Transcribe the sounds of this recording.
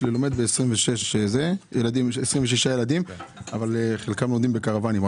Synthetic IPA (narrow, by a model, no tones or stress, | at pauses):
lelomed̪beːsʁimveʃe̞ʃzejelad̪imesʁimveʃiʃajelad̪imavaleχelkamlod̪imbe̞kaʁavanim